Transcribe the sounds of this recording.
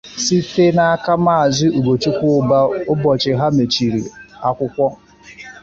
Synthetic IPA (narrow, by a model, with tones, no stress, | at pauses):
si˦te˦na˦ka˦ma˦a˨zɪ˦u˨ɡ͡bo˨t͡ʃu˦kʷʊ˦ʊ˦ba˦ʊ˦bɔ˨t͡ʃɪ˨ɦa˦me˨t͡ʃi˨ɾḭ˨a˦kʷʊ˦kʷɔ˦